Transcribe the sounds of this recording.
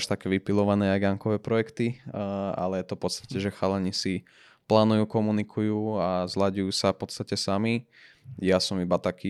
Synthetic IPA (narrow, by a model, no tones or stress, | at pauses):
ʃt̪akɛːʋipilɔʋanɛːajɡaŋkɔʋɛːpɾɔjɛkt̪i | a̰lɛjɛt̪ɔfpɔt̪st̪ḁcɛʒɛxalɛɲisi | plaːnujuːkɔmunikʰujuːazlaɟujuːsafpɔt̪t͡sst̪acɛsami | jasɔmibat̪akiː